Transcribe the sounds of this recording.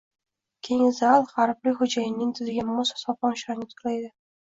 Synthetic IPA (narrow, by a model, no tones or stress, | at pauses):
kʲʰe̞ŋzalˠʁɑɾblɪχʊd͡ʒajɪnɪŋt̪ʰɪzɪɡʲamʊsḁsɒpɒnʃaɾnɪt̪ʰʊ̥qlajd̪ɪ